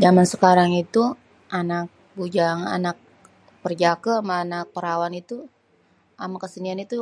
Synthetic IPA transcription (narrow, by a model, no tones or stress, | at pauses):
d͡ʒamansəkaɾaŋit̪u | ʔanak̚ | bud͡ʒaŋa̰nak̚ | pərd͡ʒakəmaːnak̚pəɾawanit̪u | amakəsənianit̪u